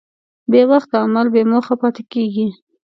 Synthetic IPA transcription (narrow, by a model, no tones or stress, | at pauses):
bewaxt̪aamalbemoxapɑt̪ɪkeɡi